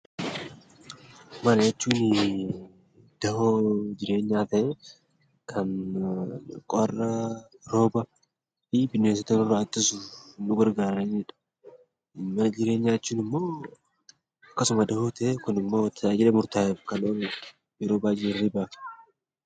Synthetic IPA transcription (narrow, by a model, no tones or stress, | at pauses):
mɐlejt͡ʃːuːn | d̪̥ɐhod͡ʒɪɾe̞ːɲːaːt̪ɐ | kʰɐn | kʼɔrːɐɾo̞ːbɐ | ɪbɪneːs̬ɐt̪ɐnʊrːɐɐt̪ʼːɪsʊnʊɡɐɾɡaːɾɐnᶑɐ̥ | mːɐd͡ʒɪɾe̞ːɲːaːt͡ʃːuːnɪmːo̞ː | ɐkːɐsʊmɐd̪ɐhot̪ɐekʊnɪmːo̞ːt̪ʰːɐad͡ʒɛlɛmʊɾt̪aːjɛkɐnoːbɛ | jɛɾoːbaːd͡ʒɛɾɪbaːf